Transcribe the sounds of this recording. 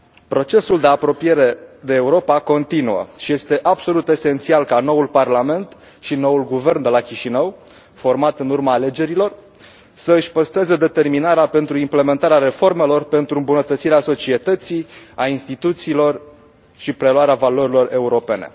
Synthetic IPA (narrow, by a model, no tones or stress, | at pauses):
pɾo̞t͡ʃe̞suld̪e̞apɾo̞pije̞ɾe̞d̪eːuɾo̞pako̞nt̪inuə̰ʃije̞st̪e̞ʔabso̞lut̪e̞se̞nt̪sialkano̞ulparlame̞nt̪ | ʃino̞wulɡuve̞rnd̪e̞lakʲiʃinəw | fo̞rmat̪ɨnurmaːle̞d͡ʒe̞ɾilo̞r | səɨʃʲpəst̪ɾezed̪e̞t̪e̞rminaɾeape̞nt̪ɾuimple̞ment̪aɾeaɾe̞fo̞rme̞lo̞rpe̞nt̪ɾuɨmbunət̪ət̪siɾeaso̞t͡ʃie̞t̪ət̪siainst̪it̪ut̪siːlo̞r | ʃipɾe̞luaɾeavaloɾilo̞re̞uɾo̞pe̞ne̞̰